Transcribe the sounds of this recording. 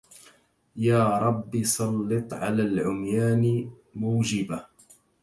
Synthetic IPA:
jaːɾˤɑbːisˤɑlːɨt̪ˤʕa̰laːlʕʊmjaːn | mʊːd͡ʒɪba

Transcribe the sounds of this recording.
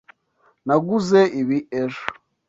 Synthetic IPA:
naɡuzeʔiβieʒo̥

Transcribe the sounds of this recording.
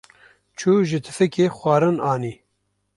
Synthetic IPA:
t͡ʃʰuːʒɪt̪ʰɨ̥fɨkeːxʷɑːɾɨnɑːniː

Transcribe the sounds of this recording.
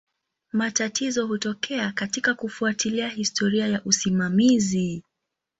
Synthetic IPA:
matatʰizɔɦutɔkʰɛakatikakufuatiliahistɔɾiajaʔusimamizi

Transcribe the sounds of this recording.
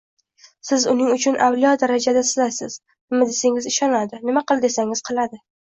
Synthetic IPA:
sɪzʊnɪŋʊt͡ʃʰʊnʔawlijɒd̪aɾad͡ʒad̪asɪlasɪz̥ | nɪmad̪eseŋɪzɪʃɒnad̪ɪnɪmaqɨlˠd̪e̞saŋɪz̥qʰɨlˠad̪ɪ

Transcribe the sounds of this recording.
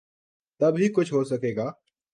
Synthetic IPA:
t̪ɐbʱɦiːkʊd͡ʒʰɦoːsəkeːɡaː

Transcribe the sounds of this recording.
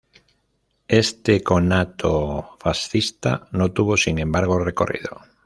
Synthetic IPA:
est̪ekonat̪ʰofasθist̪a̰nõt̪uβ̞osiŋẽmbaɾɣ̞oreko̰rḭð̞o̰

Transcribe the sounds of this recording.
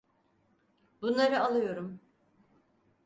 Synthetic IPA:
bunlˠaɾɯalˠɯjo̞ɾum

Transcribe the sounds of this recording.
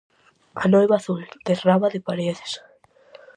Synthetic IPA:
anojβaθuld̪̥eraβaðepaɾeðes

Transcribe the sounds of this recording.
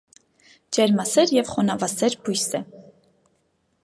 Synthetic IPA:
d͡ʒɛɾmɑsɛɾjɛvχɔnɑvɑsɛɾbujsɛ

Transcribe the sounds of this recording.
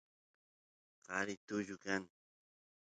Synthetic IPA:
qɑɾɪt̪ʊʎʊkaŋ

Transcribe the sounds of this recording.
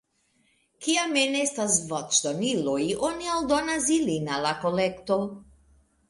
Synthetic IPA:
kiamɛnɛst̪asvɔt͡ʃt̪ɔniloiʔɔniald̪ɔnazilinalakolɛkt̪o

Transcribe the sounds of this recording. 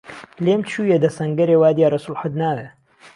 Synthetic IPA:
lemt͡ʃʰujed̪ɐsɐŋɡɐɾewaːd̪jaːɾɐsulħəd̪naːwe

